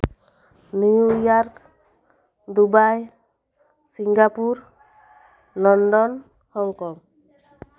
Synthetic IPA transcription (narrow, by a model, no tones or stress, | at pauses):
nijujaɾk | d̪ubaj | siŋɡapuɾ | lɔnɖɔn | hɔŋkɔŋ